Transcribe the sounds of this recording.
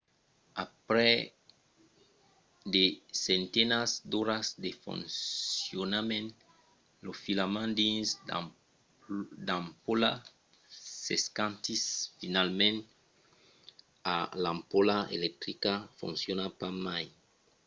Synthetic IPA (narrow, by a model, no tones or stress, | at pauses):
apɾɛ | d̪esent̪enasd̪oɾazd̪efṵ̃nsjonamẽn | lofilamãnd̪ĩns | d̪ampola | seskãnt̪isfinalmẽn | alampolaḛlek̚t̪ɾikafṵ̃nsjonapamaj